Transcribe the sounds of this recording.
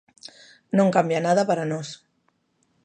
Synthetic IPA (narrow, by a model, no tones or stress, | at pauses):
nõŋkambjanaðəpəɾanos